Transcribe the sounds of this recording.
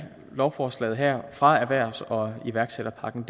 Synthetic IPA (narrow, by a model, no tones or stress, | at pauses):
lɒʊfɒːslɛ̰ːð̩ˠɦæɐ̰fʁɑ̈æɐʋæɐ̰sɒ̽iʋæɐɡ̥seɾ̥ɐpʰɑ̈ɡ̥n̩d̥